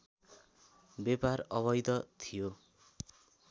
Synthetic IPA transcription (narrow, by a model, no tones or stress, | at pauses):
beparʌβʌjd̪ʌt̪ʰijo